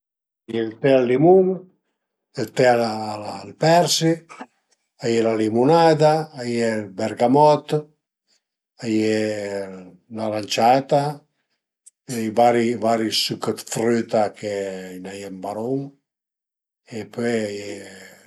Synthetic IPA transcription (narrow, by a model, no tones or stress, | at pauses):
ajelt̪ealːimuŋ | elt̪ɛalːlpɛɾsi | ajelalimunad̪aːjelbɛɾɡamɔt̪ | je | lalant͡ʃat̪a | vaɾivaɾisykət̪fɾyt̪akʰeinajambaɾoŋ | epøjaje